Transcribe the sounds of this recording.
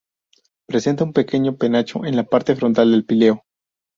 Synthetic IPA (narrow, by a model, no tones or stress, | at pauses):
pɾese̞nt̪aumpe̞ke̞ɲo̞pe̞nat͡ʃo̰ʔe̞nlapaɾt̪e̞fɾo̞nt̪ald̪e̞lpile̞o